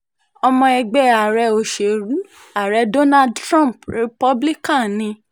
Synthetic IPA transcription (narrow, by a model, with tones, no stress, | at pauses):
ɔ˧mɔ̃˧ɛ˧ɡ͡bɛ˨˧˦a˨ɾɛ˧o˨ʃe˨ɾu˨˦ | a˨ɾɛ˧˦do˦na˦dtɾɔ̃˦˨pɾe˧pɔ˦bli˦kã˦˨nĩ˧˦